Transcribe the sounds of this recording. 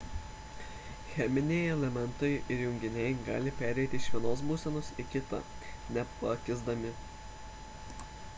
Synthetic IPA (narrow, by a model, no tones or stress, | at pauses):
xʲɛmʲɪnʲɛɪɛlʲɛmʲɛnˑt̪ɔɪɪɾjʊŋʲɡʲɪnʲɛɪɡɑ̰ːlʲɪpʲæːɾʲɛɪt̪ʲɪʃʲʋʲiɛnoːs̬buːsʲɛnʊsɪkʲɪt̪ɐ̰nʲɛpɐkʲɪzd̪ɐmʲɪ